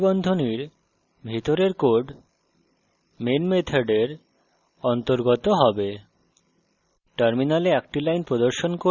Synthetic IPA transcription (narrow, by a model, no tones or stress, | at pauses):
bɔnd̪ʱoniɾ | bʱit̪oɾeɾkoɾɖ | menmet̪ʰaɖeɾ | ɔnt̪oɾɡot̪oɦɔbe | ʈʌɾminaleɛk̚ʈilajnpɾod̪oɾʃonko